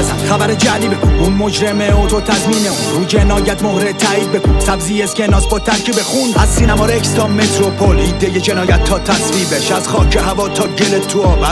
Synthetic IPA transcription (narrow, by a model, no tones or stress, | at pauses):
zæ̰nxæbæɾed͡ʒæliːbekununmo̞d͡ʒɾemeot̪ʰot̪ʰæzmiːneunɾuːd͡ʒenɒːjæt̪mohɾed̪̚t̪ʰːæːiːd̪̚bekuːnsæbziːjeskcenɒːzbot̪ʰːæɾcʰibexund̪æzsiːnæmɒːɾekst̪ʰɒːmet̪ɾopʰolid̪ejed͡ʒenɒːjæt̪ʰːɒːt̪ʰæsviːbeʃæzχɒːcʰeɦævɒːt̪ʰɒːɟelet̪ʰːuɒːvæɾ